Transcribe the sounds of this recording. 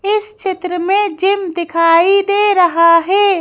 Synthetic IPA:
ɪst͡ʃɪt̪ɾəmẽd͡ʒɪmd̪ɪkʰaːid̪eːɾəɦaɦɛː

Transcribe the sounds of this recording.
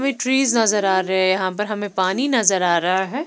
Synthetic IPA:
mẽʈɾiːznɐzəɾaːɾɐɦejɐɦãpɐɾɦɐmẽpaːninɐzəɾaːɾɐɦaɦɛː

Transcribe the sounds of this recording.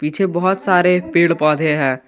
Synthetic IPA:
piːt͡ʃʰebɔɦʊt̪saːɾepeːɽpɔːd̪ʱeɦɛ̃ː

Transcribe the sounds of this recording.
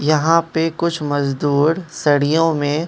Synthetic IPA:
jɐɦãpekʊt͡ʃʰmɐzd̪uːɾsɐɽijõmẽ

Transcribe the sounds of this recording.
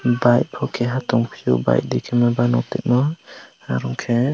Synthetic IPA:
baj̚pʰɔkʰɛɦat̪ɔŋpʰijuba̰jʔ̚d̪ikʰɛmɛbanɔt̪ɛ̰t̪̚mɔ | aɾɔŋkʰɛ

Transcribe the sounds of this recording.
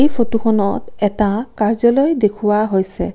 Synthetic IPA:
ejpʰotukʰɔnɔtɛtakaɹzɔlojdekʰuwaɦojsɛ̰

